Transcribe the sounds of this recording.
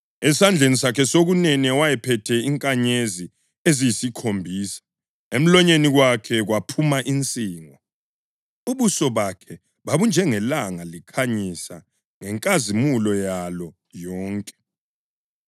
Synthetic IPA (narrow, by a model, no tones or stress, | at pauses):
ɛsand͡ɮʱenisakʰɛsoɣunɛnɛwajɛpʰɛtʰɛiŋkʼaɲezi | ezijisikʰombʱiːsḁ | em̩lɔɲeniɣwakʰɛɣwapʰumaʔint͡sʼiːŋɔ | uβusɔβakʰɛ | βaβund͡ʒʱɛŋɛlaŋalikʰaɲisa̰ | ŋɛŋkʼazimulɔjalɔ | jɔːŋkʼɛ̥